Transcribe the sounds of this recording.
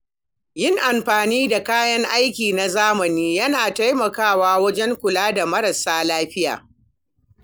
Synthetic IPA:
jɪ˦ŋʔa˨mɸaː˨niː˦da˨kaː˦jɐ˦ŋʔa˦jkʲiː˨na˨zaː˦mɐ˨niː˦jɐ˦naː˨ta˦jmɐ˨kaː˦˨waː˦wɐ˦d͡ʒɛ˦ŋkʷʊ˨laː˦da˨mɐ˦ɾɐ˨saː˦laː˦ɸɪ˦ja̰ː˨

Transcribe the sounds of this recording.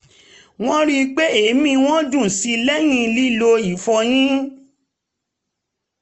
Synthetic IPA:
w̃ɔ̃˦ɾi˦˧k͡pe˦e˨˦mĩ˧w̃ɔ̃˦d͡ʒũ˦˨si˧lɛ˦j̃ĩ˧li˦lo˧i˨fɔ˧j̃ĩ˦

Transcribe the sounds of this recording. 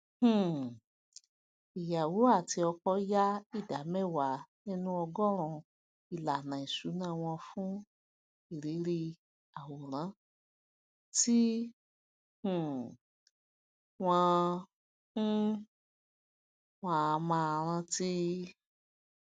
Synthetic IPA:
h̩˨ | i˨ja˨wo˨˦a˦˨ti˧ɔ˧kɔ˦ja˦i˦˨da˨˦mɛ˦˨wa˨˦nĩ˦nũ˦ɔ˧ɡɔ˦ɾ̃ũ˧ | i˨la˨nã˨i˨su˨˦nã˦˨w̃ɔ̃˧fũ˦ | i˦˨ɾe˨˦ɾi˧ | a˨wo˨ɾ̃ã˨˦ | ti˦ | hũ˨ | w̃ɔ̃˧˦ | w̃ã˦˧mãː˧ɾ̃ã˧ti˦

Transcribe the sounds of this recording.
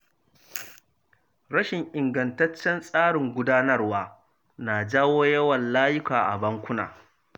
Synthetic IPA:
ɽɐ˦ʃɪ˨ŋʔɪ˨ŋɡɐ˨ntɐ˦t͡ʃːɛ˦nsʼaː˦ɽɪ˨ŋɡʷʊ˦daː˦nɐ˦rwaː˦ | na˨d͡ʒaː˦woː˦jɐ˦wɐ˨nlaː˦jɪ˦kaː˨ʔa̰˨bɐ˦ŋkʷʊ˦na̰ː˨

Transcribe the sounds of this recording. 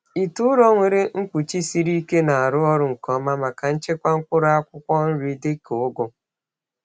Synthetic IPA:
i˨tʊ˦ʊ˦ɾɔ˦ŋʷe˨ɾe˦ŋ̩˦kʷu˨t͡ʃi˦si˦ɾi˦ke˦na˨a˨ɾʊ˦ɔ˦ɾʊ˨ŋ̩˨kɔ˦ma˦ma˨ka˨n̩˦t͡ʃe˦kʷa˦ŋ̩˦kʷʊ˦ɾa˦kʷʊ˦kʷɔ˦n̩˦ɾi˦dɪ˦kʊ˨ʊ˦ɡʊ˦

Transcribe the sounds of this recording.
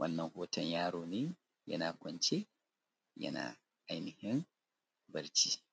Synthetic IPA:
wʔɐ̰˦nːɐ˨ŋhoː˦tʰɐ˨ɲjaː˦ɾoː˨neː˦ | jɐ̰˦naː˨kʷɔ˨nt͡ʃe˦ | jɐ̰˦na̰ː˨ | ʔa˨jnɪ˨hɪ˦n | bɐ˨ɾt͡ʃiː˦

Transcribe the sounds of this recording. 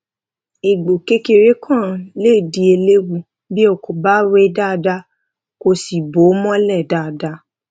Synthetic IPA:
i˨ɡ͡bo˨ke˦ke˧ɾe˦kʰã˦˨le˦˨di˨˦e˧le˦wu˧ | bi˦o˦˨kʰo˨ba˦we˦da˦˧da˦ | ko˧si˨bo˨˦mɔ̃˦lɛ˦˨da˦˨da˧˦

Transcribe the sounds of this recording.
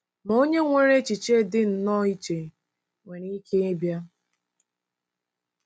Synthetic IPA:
no˦ɲe˦ŋʷe˦ɾe˦t͡ʃi˨t͡ʃe˦˨dɪ˦n̩˨nɔ˦i˦t͡ʃe˨ | ŋʷe˨ɾi˦kʰe˦e˦bja˦

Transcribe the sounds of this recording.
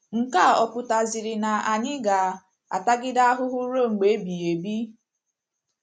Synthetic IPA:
ŋ̩˨ka˦˨ɔ˨pʊ˨ta˨zɪ˨ɾɪ˨na˨a˨ɲɪ˦ɡa˨ | a̰˨ta˦ɡɪ˦da˦a˦ɦʊ˦ɦʊ˦ɾo˦˨ŋ͡m̩˨ɡ͡be˨˦bi˨e˨bi˦

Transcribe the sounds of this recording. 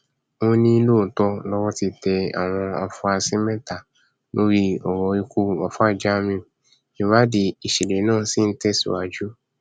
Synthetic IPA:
o˧˦nĩ˦lo˦˨tɔ˧lɔ˦wɔ˦ti˧tɛ˧a̰˨w̃ɔ̃˧a˧fũ˧a˧si˦mɛ̃˦ta˨ | lo˦ɾi˦ɔ˨wɔ˨˧˦i˧ku˦wa˨fa˦˨d͡ʒa˦mĩ˧˨ | ĩ˨wa˦de˧i˨ʃi˨le˨˦nãː˦˨si˦n̩˦tɛ˦sṵ˨a˨d͡ʒu˦

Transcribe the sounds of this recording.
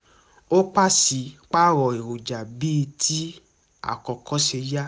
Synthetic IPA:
o˦k͡pa˦˨si˨˧˦k͡pa˦ɾɔ˨e˨ɾo˨d͡ʒa˨bi˦˧tʰi˦ | a̰˨kɔ˧kɔ˨˦ʃe˧ja˦

